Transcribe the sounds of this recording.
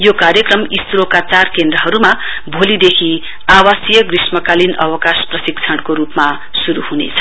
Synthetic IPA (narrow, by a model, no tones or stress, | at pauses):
jokarjʌkrʌmist̪uɾokat͡sarkend̪rʌɦʌɾuma | bʱolid̪ekʰi | awasjʌɡrismʌkalinʌ̰wʌkasprʌsik̚t͡sʰʌɽkoɾupma | suɾuhunḛt͡sʰʌ̥